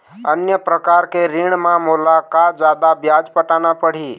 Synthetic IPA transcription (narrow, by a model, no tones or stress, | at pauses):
ənjəpɾəkaɾkeɾiɳ̃mãmulakad͡ʒad̪abjad͡ʒpəʈanapəɽ̤i